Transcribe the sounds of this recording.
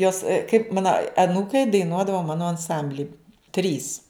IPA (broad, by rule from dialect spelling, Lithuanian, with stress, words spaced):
ˈjoːs kɐɪp ˈmɑːnɐ ɐˈnuːkɐɪ dɐɪˈnuɔdɐʋɐ ˈmɑːnoː ɐnˈsɐmʲbʲlʲɪ ˈtʲrʲiːs